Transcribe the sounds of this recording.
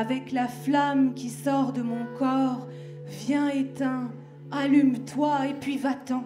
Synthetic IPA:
avɛklaflamkʲisɔʁd̪əmɔ̃kɔʁ | vjɛ̃et̪ɛ̃ | alymt̪waepɥivat̪ɑ̃

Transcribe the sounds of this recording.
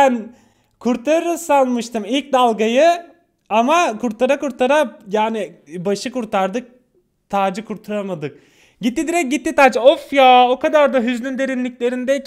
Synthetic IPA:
bæn | kʰuɾt̪ʰaɾɯɾɯsanˠmɯʃt̪ʰɯmilʲc̚d̪alˠɡajɯ | amakʰuɾt̪ʰaɾakuɾt̪ʰaɾajaːnibaʃɯkuɾt̪ʰaɾd̪ɯk̚ | t̪ʰaːd͡ʒɯkʰuɾt̪ʰuɾamad̪ɯk̚ | ɟit̪ːid̪iɾɛc̚ɟit̪ːit̪aːd͡ʒɯofjaːokad̪aɾd̪aɦyznʲynd̪e̞ɾinlʲicʲlʲe̞ɾind̪ɛ

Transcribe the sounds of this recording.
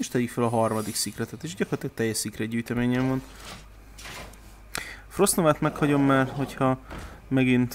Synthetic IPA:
eʃt̪ɛjikfølɒɦɒrmɒd̪iksikrɛt̪ɛt̪eːʃɟɒkorɒt̪lːk̚t̪ɛjːɛʃsikrɛɟyːjt̪ɛmeːɲɛɱvont̪ | fro̞stnovaːt̪mɛkhɒɟo̞mːaːrɦo̞chɒmɛɡint̪

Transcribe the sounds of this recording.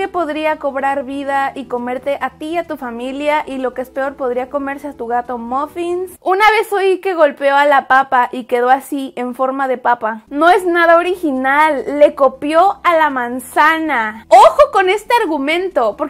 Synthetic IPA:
epo̞ðɾiako̞βɾaɾβiðaiko̞me̞ɾt̪e̞ʔat̪iat̪ufamiljaʔilo̞keespe̞o̞ɾpo̞ðɾiako̞me̞ɾseat̪uɣat̪omofinsunaβ̞e̞sojike̞ɣo̞lpeo̞alapapaʔike̞ð̞o̞asie̞ɱfo̞ɾmaðe̞papano̞e̞znað̞ao̞ɾixinalːe̞ko̞pjo̞alamãnsanaoxoko̞ne̞st̪eaɾɣumẽ̞nt̪o̞poɾ

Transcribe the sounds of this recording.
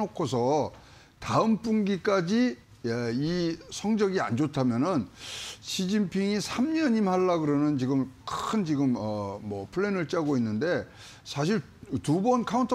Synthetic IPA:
okʰosʰʌ | taɯmp͈uŋɡik͈ad͡ʑi | isʰʌŋd͡ʑʌɡia̰nd͡ʑotʰamjʌnɯnɕʰid͡ʑimpʰiŋisʰamɲʌɲimhaɭːaɡɯɾʌnɯnt͡ɕiɡɯmkʰɯnt͡ɕiɡɯmʌmʌpʰɯɭːenɯɭt͡ɕ͈aɡoinːɯnde̞ | sʰaɕʰiɭ | tubʌnkʰauntʰʌ

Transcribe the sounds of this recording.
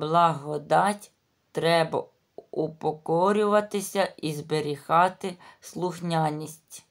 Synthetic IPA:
blˠɐɦɔd̪ɑtʲ | t̪ɾɛbɐ̰ | upɔkɔɾʲʊʋɐt̪ɪsʲɐizbeɾʲixɑt̪ɪslˠʊxnʲɑnʲisʲtʲ

